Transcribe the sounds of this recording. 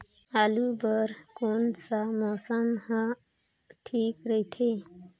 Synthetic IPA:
alubəɾkonsamɔsəmhə | ʈʰiːkɾəɦit̪ʰe

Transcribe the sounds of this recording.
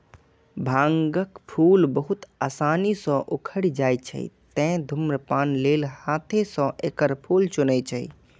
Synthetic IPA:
bʱãŋɡəkpʰulbəɦut̪aːsanisɔ̃ʔokʰəɽd͡ʒajt͡ʃʰə̰ḭt̪ɛ̃d̪ʱumɾəpaːnlelhat̪ʰẽsɔ̃ʔekəɾpʰult͡ʃunət͡ʃʰəi

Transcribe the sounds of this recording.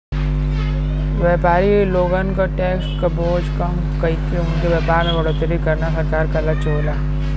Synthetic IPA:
ʋɛːpaːɾiloːɡaːnkaʈɛːkskɐboːd͡ʒkɐm | kɐik̪eʊnkeʋɛːpaːɾnaɡɐɽot̪əɾikɐɾnasɐɾkaːɾkɐlat͡ʃoːlaː

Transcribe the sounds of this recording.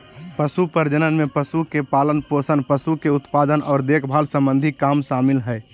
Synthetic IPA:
pəsupəɾd͡ʒənənmepəsukepaːlənposənpəsukeʊt̪pad̪ənɔːɾd̪ekʰbʱaːlsə̃mbə̃nd̪ʱikaːmsaːmɪlɦɛɪ

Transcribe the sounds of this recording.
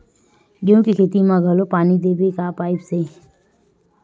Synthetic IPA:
ɡjõːkikʰeːt̪imãɡʱəlopaːnid̪eːbekapaːɪpse

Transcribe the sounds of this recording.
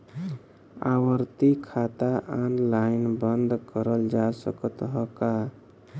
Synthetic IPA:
a̰wəɾt̪ikʰat̪aʔanlainbənd̪kəɾəld͡ʒasəkət̪ɦəka

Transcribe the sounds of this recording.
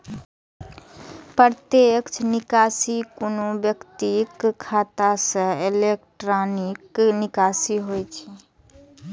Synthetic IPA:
pɾəɾt̪ekt͡ʃʰnɪkasikʊnobjəkt̪ikkʰːat̪asə̃elek̚ʈɾaniknɪkasiɦojt͡ʃʰɛ

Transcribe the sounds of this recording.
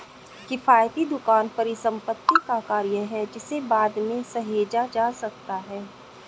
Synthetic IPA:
kɪfaːjt̪id̪ʊkaːnpɐɾɪsə̃mpət̪ːikakaːɾjəɦɛd͡ʒɪsebaːd̪mẽsɐɦeːd͡ʒad͡ʒaːsɐk̚t̪aɦɛː

